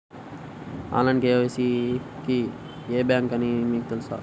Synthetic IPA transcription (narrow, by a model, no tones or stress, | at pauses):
a̰ːlɐɳɖkeːʋɐsiki | eːbjaːŋkɐnimiːkut̪elusa̰ː